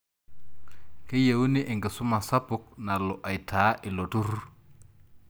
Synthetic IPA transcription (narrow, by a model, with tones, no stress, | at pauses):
ke˦je˨wu˦ni˦ʔe˨ŋɡi˨su˦ma˨sa˦pu˨k̚na˨lo˨ʔa˨jtʰaː˨˦ʔi˨lo˨tu˦ɾ